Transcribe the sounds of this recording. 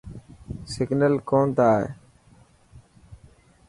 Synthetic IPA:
sɪɡnəlkoːnt̪aːɦḛ

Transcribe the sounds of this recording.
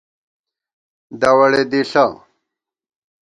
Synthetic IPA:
d̪ɐwɐɽed̪iɬa

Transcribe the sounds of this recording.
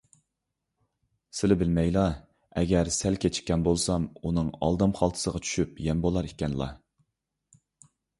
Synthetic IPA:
sɪlɪbɪlmɛjlˠɑ | ɛɡʲɛɾsælkʲʰet͡ʃʰi̥kʲːɛnbolˠsɑmunɨŋɑ̰lˠd̪ɑmχɑlˠt̪ʰsəʁɑt͡ʃʰy̥ʃypjɛmbolˠɑɾikʲɛnlˠɑ̰

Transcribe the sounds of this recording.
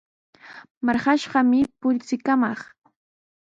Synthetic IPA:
mɑɾχɑʃɢɑmɪpʊʎt͡sɪkamɑχ

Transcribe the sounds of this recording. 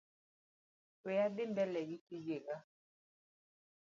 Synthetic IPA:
ejabɪmbɛlɛɣitid͡ʒeɣa

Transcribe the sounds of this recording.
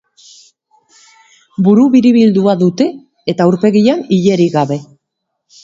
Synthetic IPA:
buɾuβiɾiβild̪uaðut̪e̞ | et̪auɾpe̞ɣianiʎe̞ɾiɣaβe̞

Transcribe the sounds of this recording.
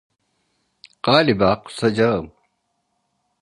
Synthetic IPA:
qaːlibaːqsɐd͡ʑaːm

